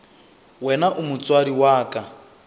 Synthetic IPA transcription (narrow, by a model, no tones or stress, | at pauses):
wɛnaʔumʊt͡swaɾiwaːkʼa